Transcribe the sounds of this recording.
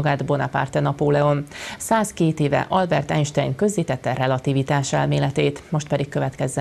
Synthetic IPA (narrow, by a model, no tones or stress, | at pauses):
ɡaːd̪bo̞nɒpa̰ːrt̪ɛnɒpoːlɛonsaːskeːt̪eːvɛ̰ʔɒlbɛrt̪ɛnʃt̪ɛjŋkø̞zːiːt̪ɛt̪ːɛrɛlɒt̪ivit̪aːʃɛlmeːlɛt̪eːt̪mo̞ʃt̪̚pɛd̪ikːø̞vɛt̪kɛzːɛ